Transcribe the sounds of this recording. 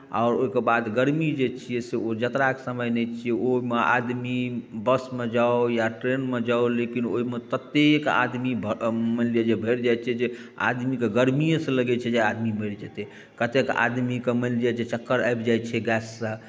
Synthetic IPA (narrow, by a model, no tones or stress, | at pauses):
a̰ɔɾoikebad̪ɡəɾmid͡ʒet͡ʃʰiɛseod͡ʒət̪ɾakesəməjnɛt͡ʃʰijɛoɦimeʔa̰d̪mibəsmed͡ʒaojaʈɾenmed͡ʒaolekino̰ɦimet̪ət̪eka̰d̪mibmənlied͡ʒebʱeɾd͡ʒajt͡ʃʰɛd͡ʒe | a̰d̪mikeɡəɾmijə̃sə̃ləɡɛt͡ʃʰɛd͡ʒead̪miməɾd͡ʒɛt̪e | kət̪eka̰d̪mikemənlijəd͡ʒet͡ʃəkːəɾajbd͡ʒajt͡ʃʰɛɡɛsːə̃